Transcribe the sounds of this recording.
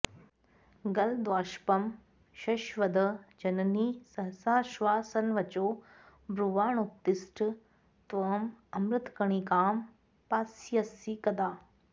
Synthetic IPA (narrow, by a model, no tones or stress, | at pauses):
ɡɐld̪ʋaːʃpɐm | ʃɐʃʋɐd̪ɐd͡ʒɐnɐniːsɐɦsaːʃʋaːsɐnʋɐt͡ʃoː | bɾuʋaːɳup̚t̪ɪsʈʰ | t̪ʋɐmɐmɾɨt̪kɐɳikaːm | paːsjɐsikɐd̪aː